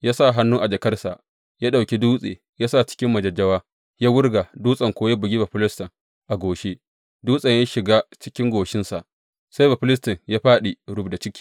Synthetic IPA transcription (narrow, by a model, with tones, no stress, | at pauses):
jaː˦sa˦˨ɦa˦nːuː˦ʔa˨d͡ʒɐ˨kɐ˦rsa˨ʔ | ja˦ɗa˨wkʲi˦duː˦sʼḛː˨ | jaː˦sa˦˨t͡ʃɪ̥˦kʲɪ˦mːɐ˨d͡ʒɐ˨d͡ʒɐ˦waː˦ | jaː˦wʊ˦rɡa˨duː˦sʼɐ˨ŋkʷoː˦ja˦bʊ˨ɡʲi˦bɐ˨ɸɪ˦lɪ˦stɐ˨ŋ | ʔa˨ɡʷoː˨ʃe˦ | duː˦sʼɐ˨ja˦ʃɪ˨ɡaː˦t͡ʃɪ˦kʲɪ˦ŋɡʷoː˨ʃɪ˦nsa˨ʔ | sa˦jbɐ˨ɸɪ˦lɪ˦stɐ˨ŋjaː˦ɸaː˦ɗi˨ɽʊ˦bda˨t͡ʃɪ˦kʲʰi̥ː˨